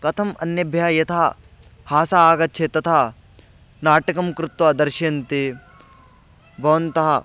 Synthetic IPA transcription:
kɐt̪ʰɐmɐnjɐbʱjajɐt̪ʰaː | haːsaːɡɐtːt͡ʃʰet̪ɐt̪ʰaː | naːʈɐkɐmkɾut̪ʋad̪ɐɾʃjɐnt̪e | bʱɐʋɐnt̪ɐɦɐ

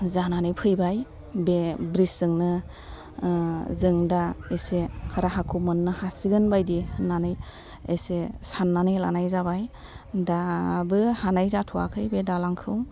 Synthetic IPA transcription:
zananɯjpʰɯjbaj | bebɾiszɯŋnɯ | zɯŋdaesehaɾaɦakʰumɯnːɯhasiɡɯnbajdinanɯj | ḛsesanːanɯjla̰najzabaj | dabɯhanajzatʰua̰kʰɯjbedalaŋkʰɯw

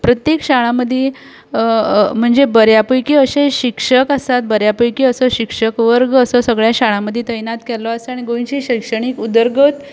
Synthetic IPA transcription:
pɾət̪jekɕaɭãməd̪ʱːe | m̤əɳd͡zebəɾjapəjkiːəɕeɕikʂəkəst̪at̪̚bəɾjapəjkiːəsɔɕikʂəkʋəɾɡəsɔsəɡɭjaɕaɭãməd̪ʱːjet̪əjnat̪kɛlɔəsəaɽ̃iɡoʋiɕiɕəjkʂəɽ̃iːkud̪əɾɡət̪

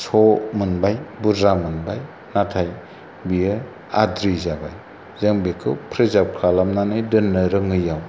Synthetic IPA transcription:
sɔmɯnbajbuɾamɯnbaj | natʰaj | bijɯ | adɾizabaj | zɯŋbekʰɯ̰pʰɾɯzap̚kʰalamnanɯdɯnːɯɾɯŋɯjaw

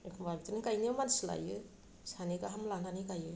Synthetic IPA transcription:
kʰbaɡitanikajnamansla̰jɯ | sanikaɦamlananikajɯ

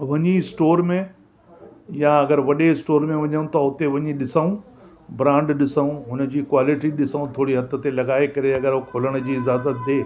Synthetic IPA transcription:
ʋɐɲisʈoːɾmẽ | jãɐɡəɾʋɐɗeɪsʈoːɾmẽʋɐɲəũt̪ɐʊt̪eʋɐɲiɗɪsaũ | bɾãːɳɖɗɪsaũɦʊnə̆d͡ʑiːkwaːlɪʈiɗɪsəũt̪ʰoːɽiɦɐt̪ʰə̆t̪elɐɡaːekɐɾeɐɡəɾɦokʰoːləɽ̃ʊ̆d͡ʑiːɪzaːzət̪d̪eː

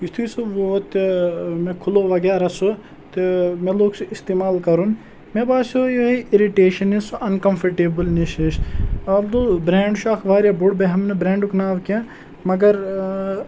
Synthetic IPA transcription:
ist̪ʰisuʋot̪mẽkʰʊloʋɐɡeːɾasu | t̪emẽloːɡsuist̪eːmaːlkɐɾun | mẽbaːsojoiʔɪɾiʈeːʃɐnisuʔɐnkɐmfʰɐɾʈeːbəlniʃeʃɐld̪ubɾeːɳɖʃaːkʋaːɾjabʊɽbeɦɐmnbɾẽːɳɖuknaːʋkãː | mɐɡɐɾ

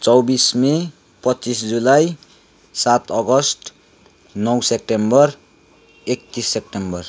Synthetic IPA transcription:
t͡sʌwbisme | pʌtːt͡sis̬d͡zulaj | sat̪ʌɡʌsʈ | nʌwsep̚ʈembʌr | ek̚t̪isːep̚ʈembʌr

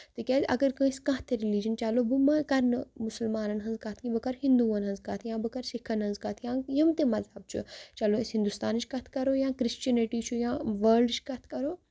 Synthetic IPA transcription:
t̪ɨkʲaːzɐɡɐɾkə̃ːskãɦt̪eɾilid͡ʒɐnt͡ʃalobumɐkɐɾnɨmusəlmaːnɐnɦɐnzkat̪ʰkĩbɨkɐɾhĩnd̪uːʋɐnɦɐ̃nzkat̪ʰjãːbɨkɐɾsikʰɐnɦɐnzkat̪ʰjãːjɐmt̪emɐzɐb̚t͡ʃʰṵt͡ʃaloesɦĩnd̪ust̪aːnt͡ʃʰkɐt̪ʰkɐɾojãːkɾist͡ʃɐniʈiːt͡ʃʰujãːʋɐːɾɖt͡ʃʰkɐt̪ʰkɐɾoː

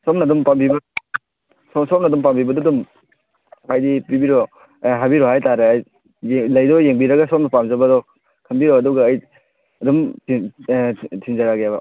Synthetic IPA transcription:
somnɐdumpambibɐ | sɔsomnɐdumpambibɐdɔdum | ajdipibiɾɔ | ɦabiɾɔhajtaɾeaj | lɐjdɔjeŋbiɾɐɡasomnɐpamzɐbɐdɔ | kʰɐmbiɾɔɐduɡaːj | ɐdumʰ | tʰiŋzaɾaɡjabɐ

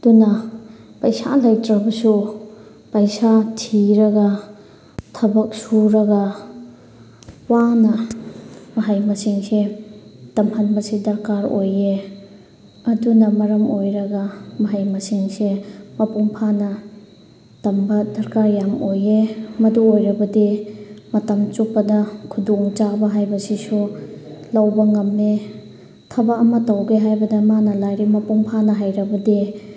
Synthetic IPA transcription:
ɐdunɐpɐjsa̰lɐjtɾɐbɐsu | pɐjsatʰiɾɐɡɐ | tʰɐbɐk̚suɾɐɡɐ | wanɐ | mɐɦajmɐsiŋsetɐmhɐnbɐsidɐɾkaɾoje | ɐdunɐmɐɾɐmojɾɐɡɐmɐɦajmɐsiŋsemɐpuŋpʰanɐ | tɐmbɐdɐɾkaɾjamojemɐduojɾɐbɐdimɐtɐmt͡ʃuk̚pɐdɐkʰudoŋt͡ʃabɐɦajbɐsisulɐwbɐŋɐmːe | tʰɐbɐɐmɐtɐwɡeɦajbɐdɐmanɐlajɾimɐpuŋpʰanɐɦajɾɐbɐdi

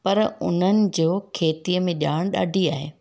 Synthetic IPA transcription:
pɐɾʊ̰n̤ənɪ̆d͡ʑoːkʰeːt̪iəmẽʄaːɽ̃ɗa̰ːɖʱiaːɦeː

